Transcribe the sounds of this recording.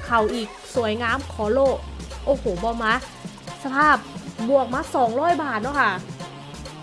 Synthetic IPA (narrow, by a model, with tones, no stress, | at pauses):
kʰa˨˩wʔiː˨˩k̚su˨˩˦əjŋaː˧˥mkʰɔː˩˦loː˥˩ʔoː˧˩hoː˨˩bɔː˧˦maː˦˥ | sa˧pʰaː˥˩p̚bu˨˩ək̚maː˧˥sɔː˨˦ŋɾɔː˥˩jbaː˨˩t̪̚nɔ˦˥˩kʰa˥˩